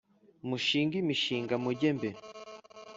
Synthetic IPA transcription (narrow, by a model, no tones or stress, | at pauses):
muʃiːŋɡimiʃiːŋɡamuɟe̞mbe